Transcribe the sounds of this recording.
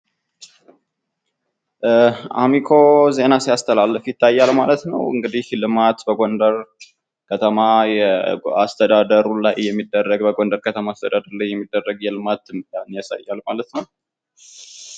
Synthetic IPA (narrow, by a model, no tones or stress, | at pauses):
a̰mikʰo̞ze̞nasijast̪ʰəlalːəfjɪt̪ʰːajːalmalət̪nə̰wɨŋɡɨd̪ihlɨmat̪bəɡo̞nd̪əɾ | kʰət̪ʰəmajɛa̰st̪ʰəd̪ad̪əɾulajːɛmːid̪ːərːəɡbəɡo̞nd̪əɾkʰət̪ʰəmaːst̪ʰəd̪ad̪əɾlajːɛmːid̪ːərːəɡjɛlɨmat̪manjasa̰jːalmalət̪nəw